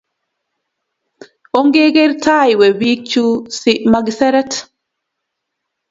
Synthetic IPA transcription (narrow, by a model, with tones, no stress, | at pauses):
o˦ŋɡe˦ɡe˦ɾtʰa˦jwe˨wi˦k̚t͡ʃusimaɡsɛ˦ɾɛ˦t